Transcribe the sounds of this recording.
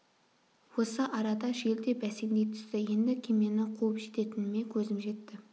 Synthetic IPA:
wo̞səʔɑɾɑd̪ɑʒe̞ld̪e̞bæsend̪e̞jt̪ʰʏ̥st̪ɪje̞nd̪ɪkʲʰeme̞nɪqʰuəpʒe̞t̪e̞t̪ɪnɪme̞kʲʰɵzɪmʒe̞t̪ːɪ

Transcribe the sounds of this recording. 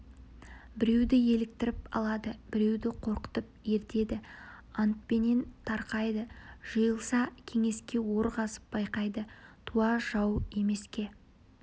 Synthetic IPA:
bɪɾe̞wd̪ɪje̞lɪk̚t̪ɪɾɪpɑ̰lˠɑd̪əbɪɾe̞wd̪ɪqʰo̞ɾqə̥t̪əp̚je̞ɾt̪e̞d̪ɪ | ɑnt̪̚pe̞nent̪ʰɑɾqɑjd̪əʒ̥əjəlˠsɑkʲʰe̞ŋe̞skʲe̞wo̞ɾʁɑsə̥p̚b̥ɑjqɑjd̪ət̪ʰuɑʒ̥ɑwe̞me̞skʲe̞

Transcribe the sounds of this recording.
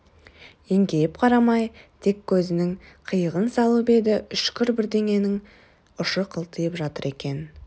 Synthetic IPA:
e̞ŋɡʲe̞jɪpqʰɑɾɑmɑjt̪ʰe̞kʲʰːɵzɪnɪŋqʰəjəʁənsɑlˠəpe̞d̪ɪʔʏʃkʲʰʏɾbɪɾd̪e̞ŋe̞nɪŋ | ʊʃəqʰəlˠt̪əjəpʒɑt̪əɾe̞kʲe̞n

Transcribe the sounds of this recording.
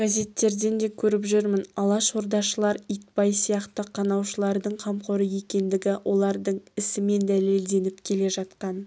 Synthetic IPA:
ɡ̥aze̞t̪ːe̞ɾd̪e̞nd̪e̞kʲʰɵɾɪpʒʏɾmɪnɑlˠɑʃo̞ɾd̪ɑʃəlˠɑɾijt̪̚pɑjsijɑqt̪əqʰɑnɑwʃəlˠɑɾd̪əɴqʰɑmqoɾəje̞kʲe̞nd̪ɪɡʲɪwʔo̞lˠɑɾd̪əɴɪsɪme̞nd̪æle̞ld̪e̞nɪpkʲʰe̞le̞ʒɑt̪qɑn

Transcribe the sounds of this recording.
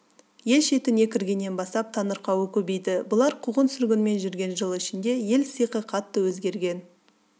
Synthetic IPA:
je̞lʃe̞t̪ɪne̞kʲɪɾɡʲenːe̞nbɑst̪ɑp̚t̪ʰɑnəɾqɑwəkʲʰɵbejd̪ɪbʊlˠɑɾqʰuʁənsʏɾɡʲɪnme̞nʒʏɾɡʲe̞nʒəlˠɪʃɪnd̪e̞je̞lsijqəqʰɑt̪ːəwɵzɡʲe̞ɾɡʲe̞n

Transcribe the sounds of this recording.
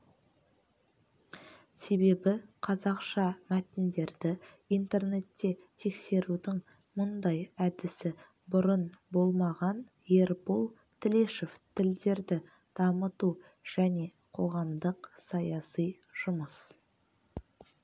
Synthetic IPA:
se̞be̞bɪqʰɑzɑqʃɑmæt̪ɪnd̪e̞ɾd̪ɪ | ijnt̪e̞rne̞t̪ːe̞t̪ʰːe̞kse̞ɾud̪ɪŋ | mʊnd̪ɑjæd̪ɪsɪ | bʊɾənbo̞lˠmɑʁɑn | jeɾbolˠ | t̪ʰɪle̞ʃeft̪ʰɪld̪e̞ɾd̪ɪ | d̪̥ɑmət̪u | ʒ̥æne̞ | qʰo̞ʁɑmd̪əqsɑjɑsij | ʒ̥ʊməs

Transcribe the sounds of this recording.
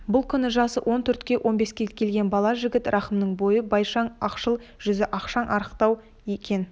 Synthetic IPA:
bʊlˠkʲʰʏnɪʒɑsəwʔo̞nt̪ʰʏɾt̪kʲe̞ʔo̞nbe̞skʲe̞kʲʰe̞lɡʲe̞nbɑlˠɑʒɪɡʲɪt̪rʔɑχəmnəɴbo̞jəbɑjʃɑɴɑqʃəlˠʒ̥ʏzɪʔɑqʃɑnʔɑɾəqt̪ɑw | je̞kʲe̞n

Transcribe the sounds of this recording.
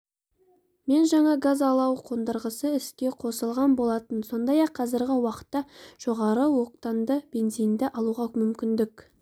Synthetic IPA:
me̞nʒɑɴɑɡazɑlˠɑwqʰo̞nd̪əɾʁəsəɪskʲe̞qʰo̞səlˠʁɑnbo̞lˠɑt̪ənso̞nd̪ɑjɑqʰːɑzɪɾɡʲɪwɑqə̥t̪ːɑʒ̥o̞ʁɑɾəwo̞qt̪ɑnd̪əb̥e̞nzijnd̪ɪʔɑlˠuʁɑmʏmkʲɪnd̪ɪk

